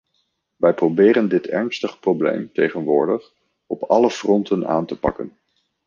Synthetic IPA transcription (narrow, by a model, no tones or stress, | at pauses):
ʋɛjprowbɪːɾəndɪtʰɛ̰ɹnstəχəprowblḛjmtejχənʋʊːɹdəχ | ɔpɑləfrɔntəna̰ːntəpɑ̰kən